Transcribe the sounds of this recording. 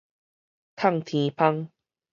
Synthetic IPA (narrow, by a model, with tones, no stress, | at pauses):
t̪ʰa˥˧˨ŋt̪ʰĩ˨˧pʰa˦ŋ